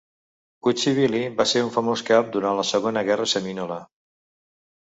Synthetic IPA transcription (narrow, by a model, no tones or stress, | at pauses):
kut͡ʃiβ̞ilibaseɾuɱfəmoskap̚d̪uɾanləsəɣonəɣɛrəsəminolə